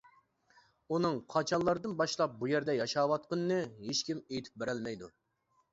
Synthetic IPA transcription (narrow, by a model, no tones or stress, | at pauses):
unɨŋqʰɑt͡ʃʰɑnlˠɑɾɨd̪ɨnbɑʃlˠɑp̚bujɛɾd̪ɛjɑʃɑːwɑt̪̚qənɨːɨɦeʃkʲimejt̪ʰy̥p̚beɾɛlmɛjd̪u